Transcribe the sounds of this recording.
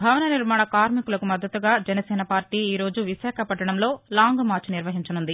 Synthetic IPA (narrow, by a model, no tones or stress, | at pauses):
bʱɐʋɐnɐniɾmaːɳɐkaːɾmikulɐkumɐd̪ːɐt̪uɡaːd͡ʒɛnɐsɛːnɐpaːɾʈiːiːɾo̞ːd͡ʒuʋiʃaːkʰɐpɐʈːɐɳɐmlo̞ːlaːŋɡmaːɾt͡ʃniɾʋɐɦiɲt͡ʃɐnund̪i